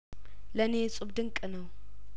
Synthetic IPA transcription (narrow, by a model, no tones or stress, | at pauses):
lɐnet͡sʼubd̪ɨŋkʼɨnɐw